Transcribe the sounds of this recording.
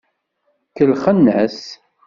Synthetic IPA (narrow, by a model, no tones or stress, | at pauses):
kəlχənːəs